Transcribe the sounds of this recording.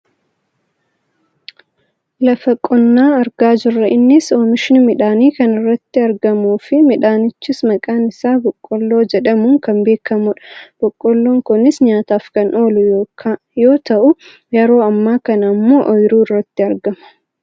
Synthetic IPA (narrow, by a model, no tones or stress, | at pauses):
lɐfɐkʼɔnːaːɐɾɡaːd͡ʒɪrːɐʔɪnːɪsoːmɪʃɪnɪmɪᶑaːniːkɐnɪrːɐt̪ːɪɐɾɡɐmuːfɪmɪᶑaːnɪt͡ʃːɪsmɐkʼaːnɪsaːbɔkʼːɔlːo̞ːd͡ʒɛᶑɐmʊŋkɐmbe̞ːkʰɐmʊᶑɐ̥b̥ɔkʼːɔlːo̞ːŋkʊnɪsɲaːt̪aːfkɐnʔo̞ːlʊ | jo̞ːt̪ɐʔʊ | jɛɾo̞ːɐmːaːkɐnɐmːoːʔɔjɾuːɪrːɐt̪ːɪɐɾɡɐmɐ̥